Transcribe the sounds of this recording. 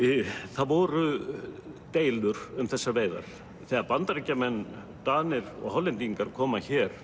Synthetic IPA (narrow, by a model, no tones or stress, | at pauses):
θaðvɔːɾʏ | t̪eːjlʏɾʏmθɛsːaɾveːjða̰ɾ̥ | θɛːaɾpant̪aɾecːamɛnː | t̪aːnɪɾɔ̰ɣɦɔlːɪnt̪iŋkaɾkʰɔːmaçɛːɾ̥